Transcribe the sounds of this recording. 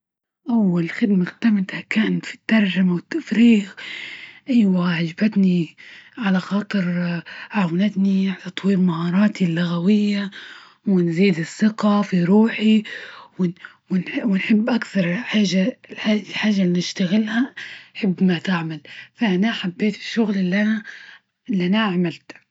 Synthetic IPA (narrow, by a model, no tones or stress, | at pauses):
ʔawːalxɪd̪maxt̪amɪt̪hakaːnfi̥t̪ːɑɾˤʒamawɪt̪ːafɾiːɣ | ʔajwaʕad͡ʒbat̪niʕalaxɑːt̪ˤɨɾʕawanat̪niʕat̪ɑt̪ˤwiːɾmahɑːɾˤɑːt̪ʰilːʊɣawɪjːa | wɪnziːd̪ɪsːɪqafiɾuːħiwɪ | wɪnwɪnħɪbːʔakθɑɾˤħaːʒːaalħaːʒːalːinɪʃt̪aɣɪlhanħɪbːmat̪ɪʕmalfaʔanaħabːeːt̪ɪ̥ʃːʊɣlɪlːʔana | ɪlːʔanaaʕmalt̪